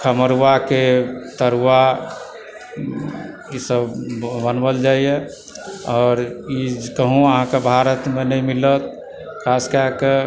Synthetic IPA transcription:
kʰəməɾuwaket̪əɾwa | isəbːənbəld͡ʒaːije | ɔːɾikəɦũəɦãkebʱaɾət̪menəɦĩmilət̪̚ | kʰaskake

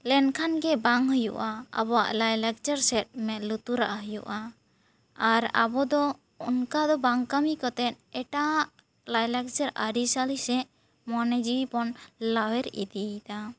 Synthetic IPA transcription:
lɛnkʰanɡɛbaŋhujṵʔaa̰bɔwa̰ʔlajlak̚t͡ʃaɾsɛt̪̚mɛlut̪uɾaʔaɦəjṵʔaː | ɾa̰bɔd̪ɔ | unkad̪ɔbaŋkamikɔt̪ɛt̪̚ɛʈaʔaʔ | lajlak̚t͡ʃəɾaɾisalisɛʔ | mɔnɛd͡ʒiwipɔnlawɛɾḭd̪it̪a

